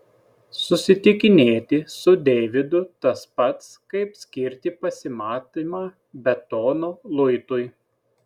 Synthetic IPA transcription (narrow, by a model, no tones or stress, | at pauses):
sʊsʲɪt̪ʲɪkʲɪnʲeːt̪ʲɪsʊd̪ʲɛːʋʲɪd̪ʊt̪ɐspɐt̪skɐɪpsʲkʲɪɾʲt̪ʲɪpɐsʲɪmɑːt̪imɑː | bʲɛt̪ɔːnoːlˠʊɪt̪ʊɪ